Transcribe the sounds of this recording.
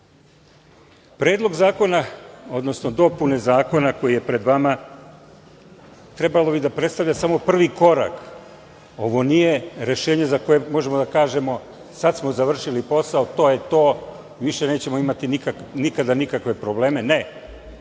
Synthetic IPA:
pɾeːd̪lˠo̞ɡzaːko̞nao̞d̪no̞sno̞d̪o̞punezaːko̞nako̞jije̞pɾe̞d̪ʋama | t̪ɾe̞balˠo̞bid̪apɾe̞t̪st̪avʎasamo̞pr̩ʋiko̞ɾa̰k | o̞ʋo̞nije̞ɾe̞ʃe̞ːɲe̞zako̞jemo̞ʒe̞mod̪akaːʒe̞mo̞ | sad̪smo̞zaʋr̩ʃilipo̞saot̪o̞ːje̞t̪o̞ː | iʋiʃe̞ne̞ːt͡ɕe̞mo̞imat̪inikanikad̪anikakʋe̞pɾo̞ble̞ːme̞ne̞

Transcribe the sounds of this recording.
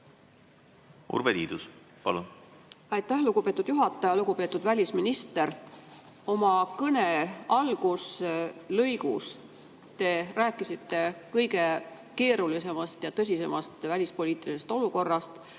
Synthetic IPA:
ṵɾvelḭːd̪us | pɑ̰lunɑjt̪ːˑæhluɡ̥upe̞ːt̪ːˑud̪̥juɦɑt̪ːˑɑjɑluɡ̥upe̞ːt̪ːˑud̪vælʲisminist̪e̞ɾ | o̞mɑkɤneɑlɡ̥uslɤjɡṵs | t̪e̞ræːkːˑisit̪ːe̞kɤjɡe̞ | ke̞ːɾulise̞mɑst̪jɑt̪ɤs̬ʲise̞mɑst̪vælʲispo̞lʲiːt̪ːˑilise̞st̪o̞luko̞rːɑst̪

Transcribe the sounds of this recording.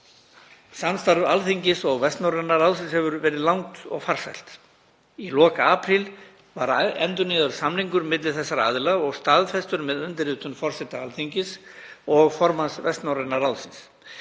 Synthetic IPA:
sanst̪aɾvalθiɲcɪsɔɣvɛst̪nawɾɛnːaɾawlsɪnshɛvʏɾvɛːɾɪðlawŋt̪ɔ̰ɣfaɾ̥sa̰jl̥t̪ | ilɔːkaaːpɾɪl | vaɾɛ̰nt̪ʏnɪːðʏɾ̥samniŋkʏɾmɪt̪lɪθɛsːaɾa̰ðlaɣɔɣst̪aːðfɛst̪ʏɾmɛðʏnt̪ɪɾɪːt̪ʏnfɔr̥sɛt̪aalθiɲcɪs | ɔɣfɔɾmansvɛst̪nawɾɛnaɾawlsɪns

